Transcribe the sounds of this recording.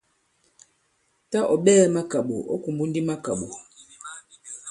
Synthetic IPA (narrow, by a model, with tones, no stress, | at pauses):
ta˦ʔɔ˨ɓɛː˦ma˦ka˨ɓo̰˨ʔɔ̰˦ku˨mbu˦n˦di˦ma˦ka˨ɓo˨